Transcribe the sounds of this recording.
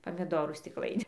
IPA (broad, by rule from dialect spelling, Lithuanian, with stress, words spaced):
pɐmʲɪˈdoːruː sʲtʲɪkˈlˠɐɪnʲɪn